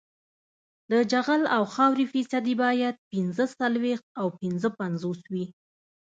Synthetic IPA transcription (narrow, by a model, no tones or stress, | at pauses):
d̪əd͡ʒaɣalawxɑwɾifisad̪ibɑjad̪̚pɪnzəsalwext̪̚awpɪnzəpanzoswi